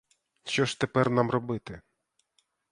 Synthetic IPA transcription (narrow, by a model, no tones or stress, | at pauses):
ʃɔʃt̪epɛrnamrɔbɪt̪ɪ